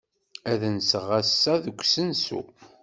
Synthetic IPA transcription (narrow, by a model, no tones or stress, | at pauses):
æðənsəʁæsːæðəɡʷsənsṵ